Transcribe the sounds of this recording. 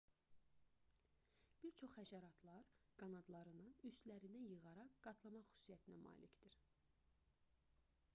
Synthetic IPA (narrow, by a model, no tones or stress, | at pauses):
b̥iɾt͡ʃʰo̞χhæʃɑɾɑt̪ʰlˠɑɾɡ̥ɑnɑd̪lˠɑɾɯnɯyst̪læɾinæjɯʁɑɾɑqɡ̥ɑt̪ʰlˠɑmɑxy̥sijæt̪ʰinæmɑ̰ːlicd̪iɾ